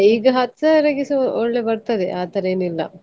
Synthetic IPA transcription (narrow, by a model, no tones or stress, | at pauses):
iːɡɐɦɐt̪sɐɾɐɡisioɭːebɐɾt̪ɐd̪ḛʔaːt̪ɐɾɐeːnilːɐ̰